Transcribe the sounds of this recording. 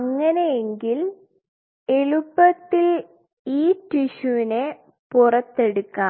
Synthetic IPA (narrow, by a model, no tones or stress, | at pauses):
ɐŋːɐnejeŋɡil | e̞ɭupːɐt̪ːil | iːtiɕuʋine̞ | purɐt̪ːe̞ɽukːaː